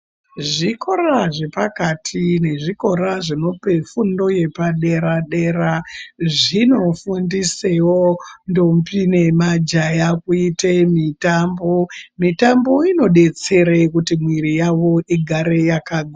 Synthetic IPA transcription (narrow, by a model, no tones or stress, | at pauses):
ʐiko̞raʐe̞pakatʰine̞ʐiko̞ɾaʐino̞pe̞fundo̞je̞paɗe̞ɾaɗe̞ɾaʐino̞fundisewondo̞mpine̞mad͡ʒajakuitemitambo̞mitambo̞ino̞ɗe̞t͡se̞ɾekutimwiɾijaʋo̞ʔiɡʱaɾe̞jakaɡʱa